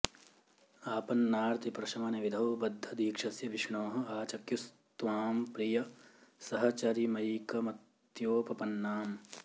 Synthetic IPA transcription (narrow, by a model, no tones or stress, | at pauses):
aːpɐnːaːɾt̪ipɾɐʃɐmɐneʋid̪ʱɐʋbɐd̪ʱːɐd̪iːkʂɐsjɐʋɪʃɳoːɦɐ̆aːt͡ʃɐkjust̪ʋaːmpɾijɐsɐɦɐt͡ʃɐɾimɐjkɐmɐt̪ | joːpɐpɐnːaːm